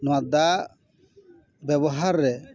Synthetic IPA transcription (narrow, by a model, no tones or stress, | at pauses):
nɔwad̪a | bɛbɔɦaɾːɛ